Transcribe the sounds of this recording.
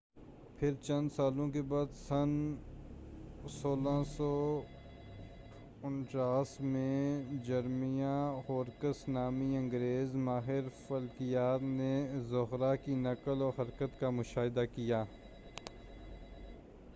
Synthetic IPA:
pʰɪɾt͡ʃɐ̃nd̪saːlõkebaːd̪sɐn | soːlãsɔː | ʊnʈaːsmẽd͡ʒɐɾmijahoːɾkəsnaːmiɐ̃ŋɡɾeːzmaːɦɪɾfəlkijaːt̪nezʊɦɾakinɐkəlɔːɾɦɐɾkət̪kamʊʃaːɦɪd̪akijaː

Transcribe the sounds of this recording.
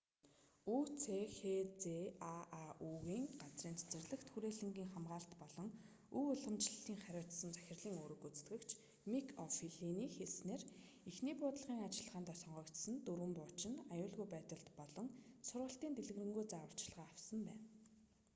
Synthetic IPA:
ut͡sʰexet͡seaʔauːɣiːŋɢat͡sriːnt͡sʰe̥t͡sɘ̆rɮɘ̆kt̪xuɾeːɮɘ̆ŋɡiːŋχamɢaːɮt̪pɔɮɞ̆ŋ | uʊɮə̆mt͡ɕɮiːŋχaɾʲʊːt̪sə̆nt͡sæ̥xʲɪ̆rɮiːŋoːɾɵ̆kut͡st̪ɡɘ̆kt͡ɕʰ | mikʰɔfiɮiniːxesneːr | ixniːpʊːt̪ɮʁiːŋat͡ɕɪ̆ɮə̆ʁaːnt̪ɔsɞɴɢœːkt̪sə̆nt̪uɾwɘ̆mpʊːt͡ɕɪ̆najʊːɮɣujpæːt̪ə̆ɮt̪pɔɮɞ̆ŋsʊrʁə̆ɬt̪iːnt̪eɮɘ̆ɣrɘ̆ŋɡujt͡sawə̆r̥t͡ɕɮʁaːawsə̆mpæːn

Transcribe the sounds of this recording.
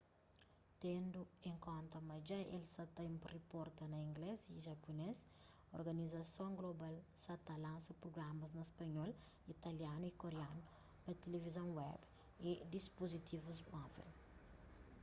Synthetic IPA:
t̪ẽnd̪uẽŋkõnt̪ɐmɐd͡ʒaḛlsɐt̪ɐmpuripɔɾt̪ɐnɐĩŋɡleziʒɐpunez | oɾɡɐnizɐsõŋɡlobalsɐt̪ɐlãnsɐpɾoɡɾamɐznɐspɐɲɔl | it̪ɐljanuikoɾeanu | pɐt̪elevizɐ̃w̃wɛ̰b | ed̪ispozit̪ʰivuzmɔvɛ̰l

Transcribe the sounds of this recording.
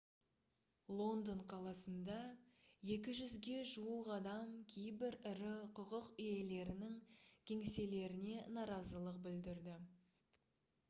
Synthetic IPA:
lˠo̞nd̪oɴqʰɑlˠɑsənd̪ɑjekʲɪʒʏzɡʲe̞ʒuwəqɑd̪ɑmkʲʰejbɪɾɪɾɪqʰʊqəqʏje̞le̞ɾɪnɪŋkʲʰe̞ŋse̞le̞ɾɪne̞nɑɾɑzəlˠəq̚bɪld̪ɪɾd̪ɪ

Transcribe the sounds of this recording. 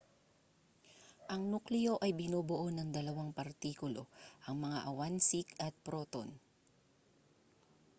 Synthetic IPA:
ʔɐŋnuklɪjo̞ʔɐjbɪnoːbʊʔo̞nɐŋd̪ɐlɐwaŋpɐɾt̪iːkʊlo̞̰ʔɐŋmɐŋaʔɐwansikɐt̪̚pɾoːt̪o̰n

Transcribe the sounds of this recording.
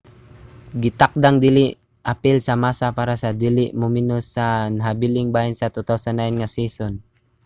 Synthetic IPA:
ɡit̪ak̚d̪aŋd̪iliʔ | ʔapɪlsamasapaɾasad̪iliʔmuminusanɦabiliŋbainsat̪ut̪awsanːajnŋasisɔn

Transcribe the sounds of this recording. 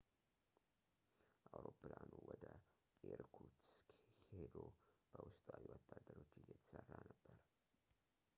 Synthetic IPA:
ʔawɾopːɨlanuwɔd̪ə | eɾkʰuskhed̪ob̥əwʊst̪ʼawiwɔt̪ʰʼːad̪ːəɾo̞t͡ʃːɨjːɛt̪ʰə̥sərːanəbːəɾ

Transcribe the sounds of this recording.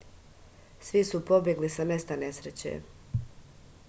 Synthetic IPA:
sʋisupo̞bje̞ɡlisame̞st̪ane̞sɾet͡ɕḛ

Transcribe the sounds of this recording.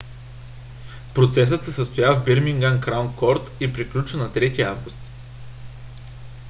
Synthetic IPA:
pɾot̪sɛs̬ət̪sɛsəst̪ojavbiɾmiŋɡankɾawnkʰɔɾt̪ipɾiklʲut͡ʃənɐt̪ɾɛt̪iavɡust̪

